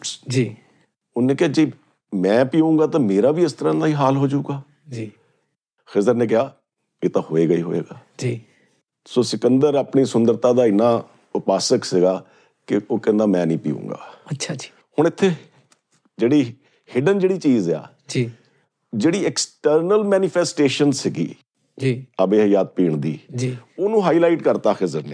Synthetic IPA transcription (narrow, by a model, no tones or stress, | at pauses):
d͡ʒiː | ʊnnẽːkɪaːd͡ʒeː | mɛ̃ːpiũːŋɡaːt̪ãːmeːɾaːʋiːɪst̪əɾãːd̪aːiːɦaːlɦoːd͡ʒuːɡaː | d͡ʒiː | xəzəɾneːk̬ɪɦaː | eːt̪ãːhoːeːɡəiːɦoːḛːɡaːd͡ʒiː | soːsɪkənd̪əɾaːpɳiːsʊnd̪əɾt̪ãːd̪aːɪnːãː | ʊpaːsəksɪɡaː | kɪoːkɛ̃ːnd̪aːmɛ̃ːnĩːpḭṵ̃ːŋɡa̰ːətʃʰi | hʊɳɪt̪ʰːeː | d͡ʒeːɽiː | hɪɖənd͡ʒeːɽiːt͡ʃiːza̰ː | d͡ʒi | d͡ʒeːɽiːɛksʈəɾnəlmɛːnɪpʰɛːsʈeːʃənssɪɡḭː | d͡ʒiəbeːɦəjaːt̪̚piːɳd̪iːd͡ʒioːnũːɦaːiːlaːɪʈkəɾt̪aːxɪzəɾnḛː